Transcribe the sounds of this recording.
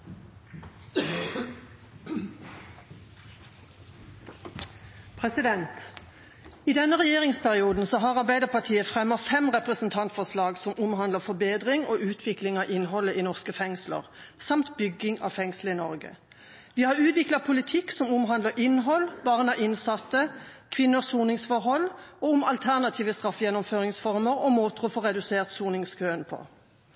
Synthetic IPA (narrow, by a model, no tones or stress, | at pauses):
pʰʁɛsɪd̪ɛnt̪ | iːd̪ɛnːəʁɛjeːʁɪŋspæʁɪuːd̪n̩sɔɦɑʁɑʁbæɪd̪əʁpʰɑt̪ʰiːəfʁɛmːəfɛmʁɛpʁəsn̩t̪ʰɑnt̪fɔʁslɑːɡsɔmʊmɦɑnd̪ləfɔbeːd̪ʁɪŋoːʉːt̪ʰʋɪklɪŋɑːʔɪnhɔlːəʔiːnɔʁskəfɛŋslə̰ʁsɑmt̪bʏɡːɪŋɑ̰fɛŋsləɪnɔʁɡə̰ | ʋɪhɑʁʉːt̪ʋɪklɑpʰʊlɪt̪ʰɪksɔmʊmɦɑnd̪ləʁʔɪnɦɔlbɑːʁnɑʔɪnsɑt̪ːəkʰʋɪnːəʁsuːnɪŋsfɔʁɦɔlːɔʊmɑlt̪ʰæʁnɑt̪ʰiːʋəst̪ʁɑfjɛnːɔmføːʁɪŋsfɔʁməʁɔmoːt̪ʁʊfɔʁɛd̪ʉseːʁt̪suːnɪŋskʰøːənpʰɔ̰